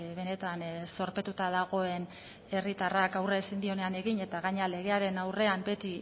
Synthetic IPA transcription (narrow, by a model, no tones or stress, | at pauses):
βe̞ne̞t̪anso̞ɾpe̞t̪ut̪aðaɣ̞o̞e̞n | e̞rit̪arakawresind̪io̞ne̞ane̞ɣiɲe̞t̪aɣaɲeale̞ɣ̞e̞aɾe̞nawre̞ambe̞t̪i